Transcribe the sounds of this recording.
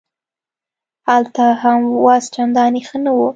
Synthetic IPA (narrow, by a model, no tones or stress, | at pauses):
halt̪ahamwɑst͡ʃand̪ɑnexənawu